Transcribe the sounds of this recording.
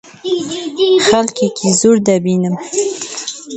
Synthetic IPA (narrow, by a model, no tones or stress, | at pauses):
xalkekʰizuɾd̪abinəm